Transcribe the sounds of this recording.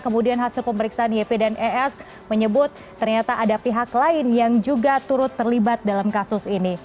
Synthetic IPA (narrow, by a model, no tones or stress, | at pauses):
kəmudianɦasɪlpəməɾiksaanepedanʔɛɛs | məɲəbʊt̪̚ːərɲat̪aʔadapiɦaklaɪnjaŋd͡ʒuɡat̪uɾʊt̪ːərlibat̪̚dalamkasʊsini